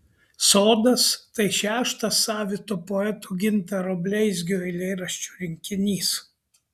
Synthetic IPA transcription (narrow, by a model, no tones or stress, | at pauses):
soːd̪ɐst̪ɐɪʃʲæːʃt̪ɐsɑːʋʲɪt̪oːpɔɛt̪uːɡʲɪnʲt̪ɐɾɔbʲlʲɛɪzʲɡʲɪoːɪlʲɛɪɾɐʃʲt͡ʃʲuːɾʲɪŋʲkʲɪnʲiːs